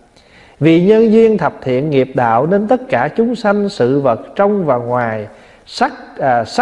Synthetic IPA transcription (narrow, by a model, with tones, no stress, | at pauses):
vḭ˨ɲə˧nzi˧ənt̪ʰə˨˩p̚t̪ʰḭ˧˨ənŋi˨˩əp̚ɗa̰ː˧˨wne˧nt̪ə˦˥t̚kaː˧˩t͡ɕʊ˨˦ŋ͡msa˧jŋ̟sɨ̰˧˨və˨˩t̚t͡ɕə˧wŋ͡mvaː˨˩ŋwaː˨˩j | sa˦˥˨s